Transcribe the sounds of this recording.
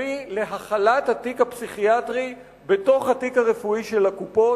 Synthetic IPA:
ile̞ɦaχalat̪hatikhapsiχiatʁi | be̞to̞χhatikaʁe̞fuiʃe̞lhakupo̞

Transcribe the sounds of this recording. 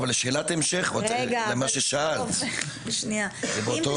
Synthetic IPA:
valeʃeːlat̪emʃeχvaaɡemaʃeʃaal | beʃniazebeot̪o

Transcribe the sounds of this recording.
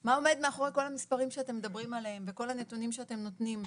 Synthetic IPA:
mao̞me̞d̪meaχo̞ʁeko̞lhamispaʁimʃeate̞mːed̪abʁimalehemveko̞lanet̪unimʃeate̞mno̞t̪nim

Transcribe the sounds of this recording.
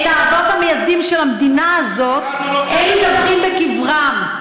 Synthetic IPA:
t̪aːχvot̪hamejasd̪imʃelamd̪inaːzo̞t̪̚ | enlit̪avχimbekivʁam

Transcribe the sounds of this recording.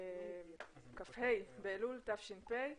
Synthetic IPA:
kafhejbeːlult̪afʃinpej

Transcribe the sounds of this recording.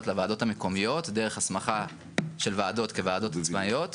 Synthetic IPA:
tlevaːdo̞thameko̞mijo̞tdeʁeχhasmaχa | ʃe̞lvaːdo̞tkevaːdo̞tat͡smajo̞t

